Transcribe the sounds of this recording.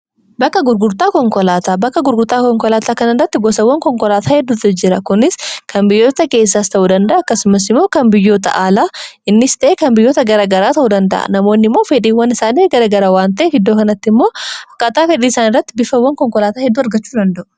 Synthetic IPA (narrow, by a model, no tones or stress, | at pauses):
bɐkːɐɡʊɾɡʊɾt̪aːkɔŋkɔlaːt̪aːbɐkːɐɡʊɾɡʊɾt̪aːkɔŋkɔlaːt̪aːkɐnɪrːɐt̪ːɪɡɔsɐwːɐŋkɔŋkɔlaːt̪ʰaːhɛd̪ːuːt̪ɐd͡ʒɪɾɐkʊnɪskʰɐnbɪjːo̞ːt̪ɐke̞ːs̬ːaːst̪ɐʔuːd̪ɐnd̪ɐʔɐːkːɐsʊmɐs̬ɪmːo̞ːkɐnbɪjːo̞ːt̪ɐ̰ʔaːlaːɪnːɪst̪ɐʔeːkɐnbɪjːoːt̪ɐɡɐɾaːɡɐɾaːt̪ɐʔuːd̪ɐnd̪ɐ̰ʔɐ̰nɐmo̞ːnːɪmːo̞ːfɛᶑiːwːɐnɪsaːniːɡɐɾaːɡɐɾaːwaːnt̪ɐʔeːhɪd̪ːoːkɐnɐt̪ːɪmːo̞ːɐkːat̪aːfɛᶑiːɪsaːnɪrːɐt̪ːɪbɪfɐwːɐŋkɔŋkɔlaːt̪aːhɛd̪ːuːɐɾɡɐt͡ʃːuːd̪ɐnd̪ɐʔʊ̥